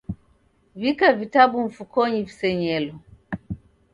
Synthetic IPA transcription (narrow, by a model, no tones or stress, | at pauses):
vikavitaɓuɱ̩fukɔɲivisɛɲɛlɔ